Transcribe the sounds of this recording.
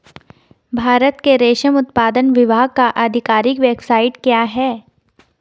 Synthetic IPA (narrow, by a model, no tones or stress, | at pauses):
bʱaːɾət̪keɾeːʃəmʊt̪paːd̪ənʋɪʋaːɡ̚kaʔɐd̪ʱɪkaːɾɪkʋɛːpsaːɪʈkjaːɦɛː